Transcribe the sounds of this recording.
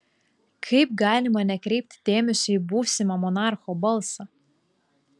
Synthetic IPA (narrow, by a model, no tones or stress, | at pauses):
kʰɐɪp̚ɡɑːlʲɪmɐnʲɛkɾʲɛɪp̚ʲt̪ʲd̪ʲeːmʲɛsʲʊibuːsʲɪmɐmɔnɑɾxoːbɐlˠsɑ